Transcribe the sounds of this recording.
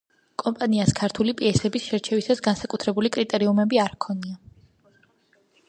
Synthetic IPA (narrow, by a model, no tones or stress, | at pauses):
kʼɔmpʼaniaskʰaɾt̪ʰulipʼiɛsɛbisʃɛɾt͡ʃʰɛvisasɡansakʼut̪ʰɾɛbulikʼɾit̪ʼɛɾiumɛbiaɾkʰɔnia